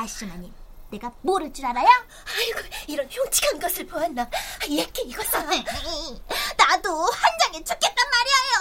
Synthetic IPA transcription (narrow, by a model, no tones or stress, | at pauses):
maɭɕ͈ɯmaɲimne̞ɡamoɾɯt͡ɕ͈uɾaɾaja | aiɡoiɾʌnçjoŋt͡ɕʰi̥kʰanɡʌsʰɯɭpoanːaajet̚k͈eiɡʌs͈ʌ | nadohand͡ʑaŋet͡ɕʰok͈et̚t͈anmaɾiajo